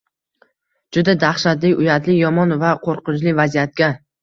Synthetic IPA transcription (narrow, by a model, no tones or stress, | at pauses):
d͡ʒʊd̪ad̪aχʃat̪lɪʊjat̪lɪjɒmɒnvaqʰoɾqʊt͡ʃlɪvazijat̪̚ɡʲa